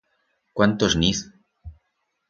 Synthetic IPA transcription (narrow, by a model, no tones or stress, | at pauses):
kwant̪oznis